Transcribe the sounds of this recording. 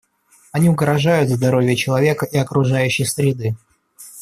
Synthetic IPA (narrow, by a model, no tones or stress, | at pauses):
ɐnʲiʊɡɾɐʐajʊt̪zd̪ɐɾo̞vʲɪjət͡ɕɪlˠɐvʲe̞kəʔiɐkɾʊʐajʉɕːɪjsɾʲɪd̪ɨ